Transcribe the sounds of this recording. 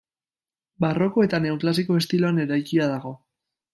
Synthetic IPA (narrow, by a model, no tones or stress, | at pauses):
baro̞ko̞e̞t̪ane̞uklasiko̞e̞st̪iloane̞ɾajkiað̞aɣ̞o̞